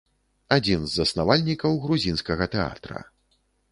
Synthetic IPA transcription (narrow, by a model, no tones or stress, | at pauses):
ad͡zʲinzːɐsnavalʲnʲikɐwɣɾuzʲinskɐɣɐt̪ɛa̰t̪ɾɐ̰